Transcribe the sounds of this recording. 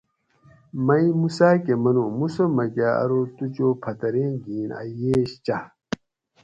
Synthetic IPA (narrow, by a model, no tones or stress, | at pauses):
mɐimusaːkemɐnomusomɐɡaɐ̰ɾot̪ut͡ɕoːpʰɐt̪ɐɾẽːɡiːnɐ̰jeːɕt͡ɕɐ